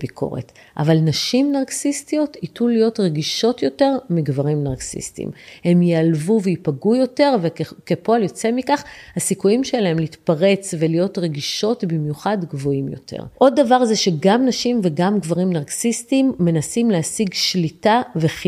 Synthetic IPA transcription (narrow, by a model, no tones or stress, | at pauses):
bikʰo̞̰ʁḛt | ʔa̰valnaʃimnaʁksistijo̞titulːijo̞tʁeɡiʃo̞tjo̞te̞ʁmiɡvaʁimnaʁksḭstḭmhe̞mjealvuveipaɡujo̞te̞ʁvekepo̞aljo̞t͡se̞mikaχhasikujimʃe̞lae̞mliitpaʁe̞t͡svelijo̞tʁe̞ɡiʃo̞tbimjuχadɡvo̞imjo̞̰tʰḛʁʔo̞dːavaʁzeʃeɡamnaʃimve̞ɡamɡvaʁimnaʁksistimːe̞nasimleasiɡʃlitave